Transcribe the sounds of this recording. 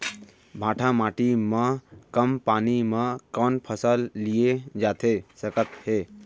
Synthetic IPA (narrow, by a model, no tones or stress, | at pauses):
bʱãːʈʰamaːʈimə̃kəmpaːnimə̃kɔːnpʰəsəlːijed͡ʒaːt̪ʰesəkət̪heː